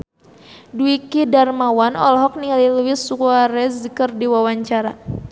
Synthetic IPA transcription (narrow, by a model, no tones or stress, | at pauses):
duikidarmawanɔ̰lɦɔk̚niŋaliluwɪsukwaɾɛsəkərdiwawaɲt͡ʃaɾa